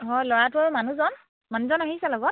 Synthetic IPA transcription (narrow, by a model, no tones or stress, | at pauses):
ɦɔjlɔɹatʊɔɹmanuzɔn | manuzɔnaɦisɛlɔɡɔt̚